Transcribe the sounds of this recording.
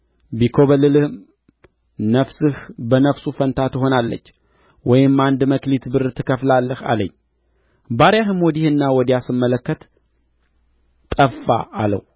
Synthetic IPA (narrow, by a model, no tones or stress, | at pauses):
bikʰo̞βəlːɨlɨhm | nəfsɨhbənəfsufənt̪ʰat̪ɨɦo̞nalːə̰t͡ʃː | wɔjɪmːand̪məklit̪bɨɾt̪ʰɨkʰəflalːəha̰ləɲː | baɾjaɦɨmwɔd̪ihɨnːawɔd̪jasɨmːələkːət̪ | t̪ʼəfːa̰ʔːlə̰w